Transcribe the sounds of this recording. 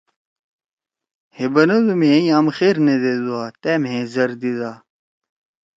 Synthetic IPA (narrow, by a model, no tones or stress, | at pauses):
hebɐnɐd̪umẽjaːmxeɾned̪ed̪uaːt̪emɦẽzɐɾd̪idaː